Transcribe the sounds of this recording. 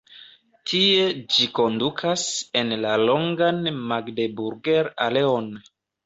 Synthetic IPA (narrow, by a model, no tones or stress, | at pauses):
tʰie̞d͡ʒiko̞ndukʰase̞nlalo̞ŋɡanmaɡdebuɾɡe̞ɾa̰le̞o̞n